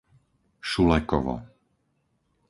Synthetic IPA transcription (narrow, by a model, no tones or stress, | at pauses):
ʃulɛkɔ̰ʋɔ̰